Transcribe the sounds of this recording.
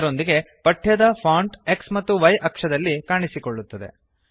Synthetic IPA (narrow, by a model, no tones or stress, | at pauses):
ɾo̞nd̪iɡe̞ | pɐʈʰjɐd̪ɐpʰaːɳʈe̞ksmɐt̪ːuʋɐjʔɐkʂɐd̪ɐlːikaːɳisikoɭːut̪ːɐd̪e̞̰